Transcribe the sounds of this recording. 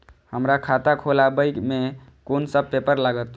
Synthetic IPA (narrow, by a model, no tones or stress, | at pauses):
həmɾakʰat̪akʰolabəjkme | konsəb̚pepəɾlaɡət̪